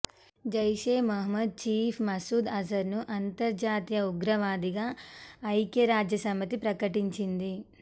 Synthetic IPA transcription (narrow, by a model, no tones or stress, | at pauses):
d͡ʒɐjʂeːmɐɦɐmɐd̪̚t͡ʃiːpʰmɐsuːd̪ɐsɐɾnuʔɐnt̪ɐɾd͡ʒaːt̪ijɐuɡɾɐʋaːd̪iɡaːɐjkjɐɾaːd͡ʒjɐsɐmːɐt̪ipɾɐkɐʈiɲt͡ʃind̪i